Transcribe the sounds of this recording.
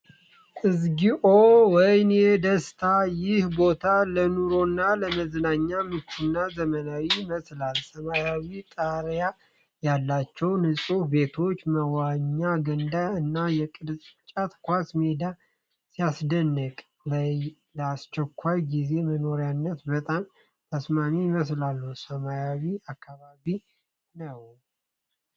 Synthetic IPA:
kʼɨzɡiʔowɔjnjɛd̪əst̪ʰajɪhbo̞t̪ʰalənuɾo̞nːaləməznaɲːamɨt͡ʃːunːazəmənawiməslalsəmajawit̪ʼaɾja | jalːat͡ʃːɛwnɨsʼube̞t̪ʰo̞t͡ʃːməwaɲːaɡənd̪aɨnːajɛkʼɨd̪sʼt͡ʃʼat̪kʷasmed̪a | sijasd̪ənːəkʼ | laj | ləast͡ʃːɛkʷːajɡize̞məno̞ɾjanːət̪bət̪ʼam | t̪ʰəsmamiməs̬lalːəhusəmajawiakʰːaβaβi | nəw

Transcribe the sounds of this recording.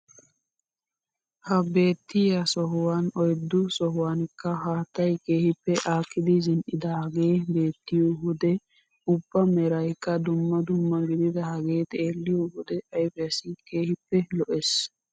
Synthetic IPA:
hɐbe̞ːt̪ːɪjɐsɔɦʊwaːnɔjd̪ːʊsɔɦʊwaːnkːɐɦaːt̪ːɐjke̞ːhɪpːɛʔaːkːɪd̪ɪzɪnʔɪd̪ɐhɐɡeːbe̞ːt̪ːɪjuhʊd̪ɛ | ʊbːɐmɛɾɐjkːɐd̪ʊmːɐd̪ʊmːɐɡɪd̪ɪd̪ɐhɐɡe̞ːt̪ʼeːlːɪjohʊd̪ɛʔɐjfɛjɐsɪke̞ːhɪpːɛlɔʔes

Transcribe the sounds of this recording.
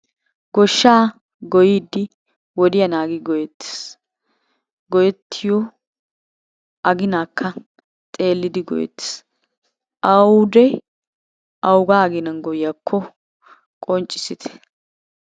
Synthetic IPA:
ɡɔʃːaː | ɡɔjiːd̪ːɪ | wɔd̪ɪjɐnaːɡɪɡɔjɛt̪ːe̥s | ɡɔjɛt̪ʰːɪjɔ | ʔɐɡɪnaːkʰːɐ | t̪ʼe̞ːlːɪd̪ɪɡɔ̰jɛ̰t̪ːe̥s | ʔɐwud̪ɛ | ɐwʊɡaːɐɡɪnɐnɡɔjɪjɐkʰːɔ | kʼɔnt͡ʃʼːɪsɪt̪ʰɛ̥

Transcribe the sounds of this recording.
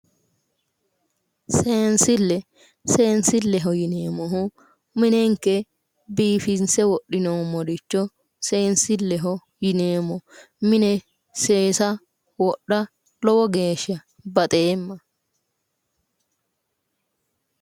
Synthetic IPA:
seːnsɪlːɛ | seːnsɪlːɛɦɔjɪneːmːɔɦʊ | mɪnɛŋkːɛ | biːfɪnsɛwɔɗːɪnɔmːɔdɪt͡ʃːɔ | seːnsɪlːɛɦɔ | jɪneːmːɔ | mɪnɛ | se̞ːsɐ | wɔɗːɐ | lɔwɔɡe̞ːʃɐ | bɐt̪ʼeːmːɐ

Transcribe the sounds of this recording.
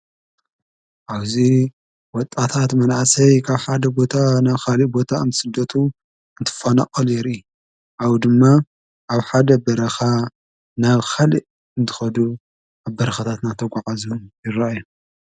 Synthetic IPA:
ʔaβzi | wɔt̪ʼːat̪ʰat̪mɐnaʕsɐjkʰaβħad̪ɐbo̞t̪ʰanaβxalibo̞t̪ʰaɨ̰nt̪ʰɨ̥sɨd̪ːɐt̪ʰu | ɨnt̪ʰɨ̥fana̰qʼɐljɛɾi | awd̪ɨmːa | ʔaβħad̪ɐbɐɾɐxa | naβxaliʔ | ɨnt̪ʰɨ̥xɐd̪u | aβbɐɾɐxat̪ʰat̪nat̪ʰɐɡʷaʕazujɪɾaju

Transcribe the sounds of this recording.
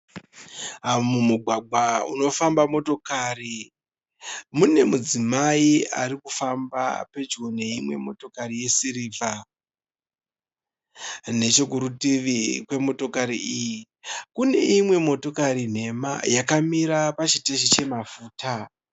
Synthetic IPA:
amumuɡʱwaɡ͡bʱauno̞fambamo̞to̞kaːri | mune̞mud͡zimaia̰rikufamba̰pe̞d͡ʒone̞imwe̞mo̞to̞karije̞siriːvʱa | ne̞t͡ʃok̬uɾutiʋikwe̞mo̞to̞kaɾiʔiji | kune̞̰imwe̞mo̞to̞kaɾin̤e̞ma̰jakamiɾapat͡ʃiteʃit͡ʃe̞mafuːta

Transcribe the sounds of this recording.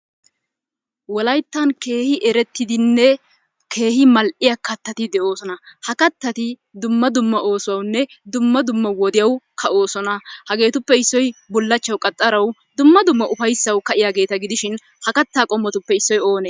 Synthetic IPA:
wɔlɐjt̪ːɐnke̞ːhɪʔɛɾɛt̪ːɪd̪ɪnːɛ | kʰe̞ːhɪmɐlʔɪjɐkɐt̪ːɐt̪ɪd̪ɛʔo̞ːsɔnɐhɐkɐt̪ːɐt̪ɪ | d̪ʊmːɐd̪ʊmːɐʔo̞ːsʊwɐwnːɛ | d̪ʊmːɐd̪ʊmːɐwɔd̪ɪjɐwkʰɐʔo̞ːsɔnɐhɐɡe̞ːt̪ʊpːɛɪsːɔjbɔlːɐt͡ʃːɐwkʼɐt̪ʼːɐɾɐwd̪ʊmːɐd̪ʊmːɐʔʊfɐjsːɐwkɐʔɪjaːɡe̞ːt̪ɐɡɪd̪ɪʃɪn | hɐkɐt̪ːaːkʼɔmːɔt̪ʊpːɛɪsːɔjo̞ːneː

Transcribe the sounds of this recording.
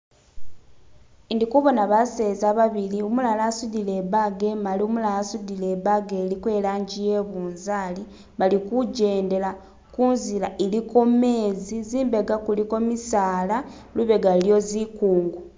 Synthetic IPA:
ndikuβo̞naβase̞ːzaβaβiliumulalasudile̞baɡe̞maliumulalasudile̞βaɡe̞likwe̞ːlaːɲɟije̞βuːnzaːli | βalikuɟe̞ːnde̞la | kunzilaʔeliko̞me̞ːziziːmbe̞ɡakuliko̞misaːla | luβe̞ɡaljo̞zikuːŋɡu

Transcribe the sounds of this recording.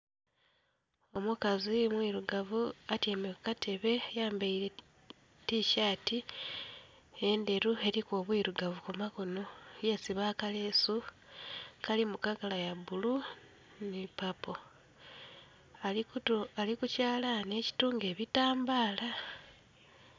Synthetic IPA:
omukazimwiːɾuɡavuatjeːmekukate̞βe̞jaːmbeiɾe̞ | tiʃaːti | e̞nde̞ɾue̞ɾikoβwiːɾuɡavukumakonojesiβaːkale̞ːsu | kalimukakalajabulu | nipapo̞ | alikucaːlane̞ci̥tuːŋɡe̞ːβitaːmbaːla

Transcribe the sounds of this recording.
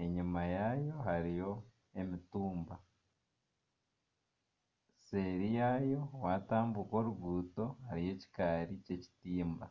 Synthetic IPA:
e̞ɲimajajo̞ɦaɾijo̞ | e̞mituːmba | se̞ɾijajo̞wataːmbuko̞ːɾuɡuːto̞haɾije̞ci̥kaːɾice̞ci̥tiːmba

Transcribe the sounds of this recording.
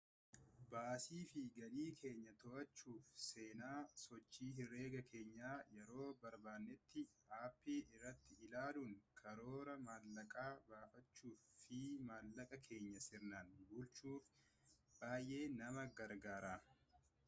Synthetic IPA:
baːsiːfɪɡɐliːkʰe̞ːɲːɐt̪ɔʔɐt͡ʃːuːfse̞ːnaːsɔt͡ʃːiːhɪrːe̞ːɡɐkʰe̞ːɲːaːjɛɾo̞ːbɐɾbaːnːɛt̪ːɪaːpːiːɪrːɐt̪ːɪɪlaːluːŋkʰɐɾo̞ːɾɐmaːlːɐkʼaːbaːfɐt͡ʃːuːfɪmaːlːɐkʼɐkʰe̞ːɲːɐsɪɾnanbʊlt͡ʃuːf | b̥aːjʔe̞ːnɐmɐɡɐɾɡaːɾaː

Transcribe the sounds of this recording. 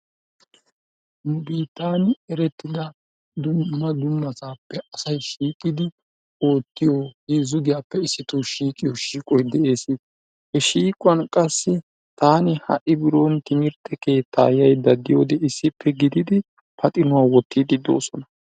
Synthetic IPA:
nʊbiːt̪ːaːnɛɾɛt̪ːɪd̪ɐ | d̪ʊːɐd̪ʊnːɐtaːpːɛɐsɐjʃiːkʼːɪd̪ɪ | o̞ːt̪ːɪjohiːzʊɡ̪ɪjaːpːɛɪsːɪt̪uʃiːkʼɪjɔʃiːkʼɔjd̪ɛʔe̞ːsɪ | hɛʃiːkʼʊwɐnkʼɐsːɪ | t̪aːnɪhɐ̰ʔɪbɪɾont̪ɪŋɪɾt̪ːɛke̞ːt̪ʰːa̰ːjɐjd̪ɐd̪ɪjo̞ːd̪ɛɪsːɪpʰːɛɡɪd̪ɪd̪ɪ | pʰɐt̪ʼɪnʊwaːwɔt̪ʰːid̪ɪd̪o̞̰ːsɔnɐ

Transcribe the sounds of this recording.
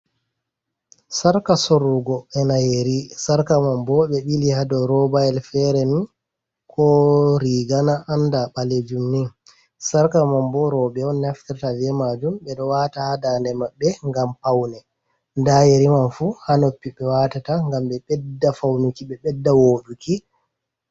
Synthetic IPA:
saɾkasoɾuɡɔɛnajeɾisaɾkamambɔɓɛɓilihadɔɾɔbajɛlfɛɾɛnin | kʰɔɾiɡanaʔandaɓaled͡ʒumnin | saɾkamambɔɾɔbɛɔnːaftatavɛmad͡ʒumɓɛɗɔwatahadandɛmaɓːɛŋɡampawnɛ | ndajeɾimanfuhanopːiɓɛwatataŋɡamɓɛɓɛdːafawnikiɓɛɓɛdːawoɗuki

